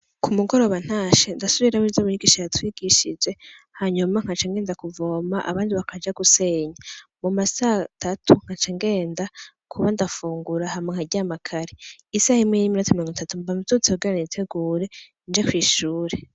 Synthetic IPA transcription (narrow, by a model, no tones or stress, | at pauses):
kumuɡo̞ɾo̞βan̥haːʃendasuβiɾamizoβuɲuɡiʃaatwiːɡ̥iʃid͡ʒe̞ | haɲumaŋ̥at͡ʃaŋɡe̞ːndakuvo̞ːmaʔa̰βaːndiβakʰad͡ʒaɡuse̞ːɲamumasatʰatʰuŋ̥hat͡ʃaŋɡe̞ːnda | kʰuβandafuːŋɡuɾahamŋeŋ̥aɟamakʰaɾiisahimŋeniminatumiɾoŋɡmitatumbamutut͡sioɡeɾanitʰe̞ɡuːɾe̞ | nd͡ʒekwiːʃuːɾe̞